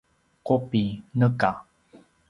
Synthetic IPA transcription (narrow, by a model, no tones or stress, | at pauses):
qopinəka